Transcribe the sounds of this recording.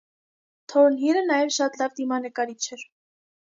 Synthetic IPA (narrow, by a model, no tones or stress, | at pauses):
t̪ʰɔɾnɦiɾənɑjɛvʃɑt̪lɑvd̪imɑnəkɑɾit͡ʃʰɛɾ